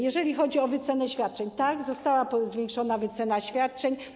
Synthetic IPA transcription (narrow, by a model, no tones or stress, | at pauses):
jɛʐɛlʲixɔd͡ʑiɔvɘt̪sɛnɛɕfʲjat̪̚t͡ʂɛɲt̪aɡzɔst̪awapzvʲjɛŋkʂɔnavɘt̪sɛnaɕfʲjat̪̚t͡ʂɛɲ